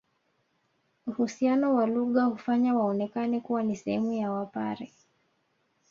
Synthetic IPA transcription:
uhusianɔwaluɠahufaɲawaɔnɛkanɛkuwanisɛhɛmujawapaɾɛ

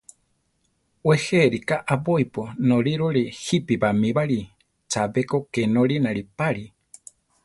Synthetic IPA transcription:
weheɾikaʔaβojponõɾiɾoɾihipiβamĩβaɾi | t͡ʃaβekokenoɾinãɾipaɾi

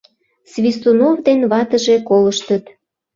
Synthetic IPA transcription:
svʲist̪unovd̪enβɑt̪əʒekoləʃt̪ət̪

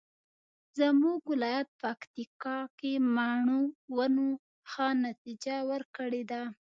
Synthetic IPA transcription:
zəmuɡwɪlɑjat̪̚pakt̪ikɑkemaɳuwano | xanat̪id͡ʒawəɾkəɽed̪a

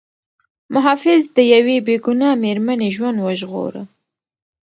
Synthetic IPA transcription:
mʊɦɑfɪzd̪əjawebeɡʊnɑmeɾmaneʒwand̪wəʒɣo̰ɾə̰

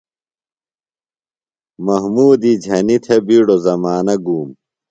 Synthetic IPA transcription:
mɐɦmuːd̪id͡ʑʱɐnit̪ʰebiːɽozɐmaːnɐɡuːm

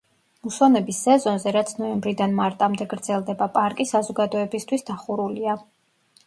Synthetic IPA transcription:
musanɛbisːɛzɔnzɛɾat̪sʰnɔɛmbɾid̪anmaɾt̪ʼamd̪ɛɡɾd̪zɛlˠd̪ɛbapʼaɾkʼisazɔɡad̪ɔɛbist̪ʰwisd̪aχuɾulia

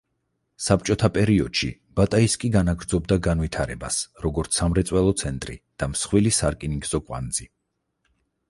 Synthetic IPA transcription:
sap̚t͡ʃʼɔt̪ʰapʼɛɾiɔd̪̥ʃḭ | b̥at̪ʼaiskʼiɡanaɡɾd̪zɔb̚d̪aɡanvit̪ʰaɾɛbasɾɔɡɔɾt̪sʰamɾɛt̪sʼwɛlˠɔt̪sʰɛnt̪ʼɾḭd̪̥amsχwilisaɾkʼiniɡz̥ɔkʼwa̰nd̪zi

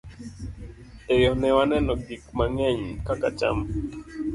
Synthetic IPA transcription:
ejɔnɛwanɛnɔɡikmaŋɛɲkakat͡ʃa̰m

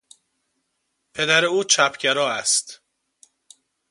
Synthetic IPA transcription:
pʰe̞d̪æɾeuːt͡ʃʰæpʰɟeɾɒːæst̪

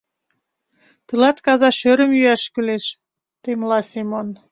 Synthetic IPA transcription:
t̪əlɑt̪kɑzɑʃøɾə̆mjyæʃkyleʃ | t̪emlɑsʲemon

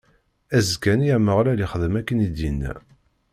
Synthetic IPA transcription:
æzkæniæməʁlæliχəðəmækːənid̪inːæ̰

